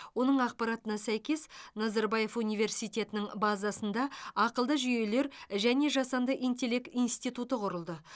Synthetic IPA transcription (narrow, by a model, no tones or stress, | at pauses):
wo̞nəɴɑq̚pɑɾɑt̪ənɑsæjkʲe̞snɑzɑɾbɑje̞funijve̞ɾsijt̪ʲe̞t̪ɪnɪŋbɑzɑsənd̪ɑɑqəlˠd̪əʒyje̞le̞ɾʒæne̞ʒɑsɑnd̪əʔijnt̪e̞le̞kt̪inst̪ijt̪ut̪əqʰʊɾəlˠd̪ə